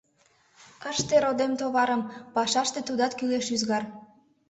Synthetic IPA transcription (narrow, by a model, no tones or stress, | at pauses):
əʃt̪eɾod̪emt̪oβɑɾəmpɑʃɑʃt̪et̪ud̪ɑt̪kyleʃyzɣɑr